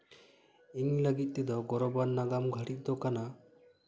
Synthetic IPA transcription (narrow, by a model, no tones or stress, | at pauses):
iŋləɡit̪̚ˀt̪ɛd̪ɔɡɔɾɔbanːaɡamɡʱaɽit̪̚ˀd̪ɔkana